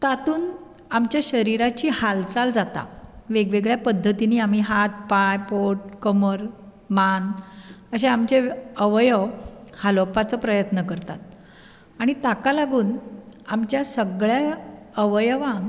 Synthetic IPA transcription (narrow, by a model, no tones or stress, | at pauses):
t̪at̪uːn | amt͡ɕjaɕəɾiɾat͡ɕiːhalt͡sald͡zat̪a̰ʋeɡʋeɡɭjapəd̪ʱːət̪iniːam̤iɦat̪̚pajpoʈ̚kəməɾ | manəɕeamt͡ɕeəʋjəhalopat͡sɔpɾəjət̪nəkəɾt̪a̰t̪̚ | aɽ̃it̪akalaɡuːnamt͡ɕjasəɡɭja | əʋjʋãŋ